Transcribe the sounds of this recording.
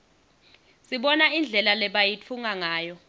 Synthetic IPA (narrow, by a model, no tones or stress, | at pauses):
siɓɔnaind͡ɮʱɛlalɛɓajit͡fʰuŋaŋaːjɔ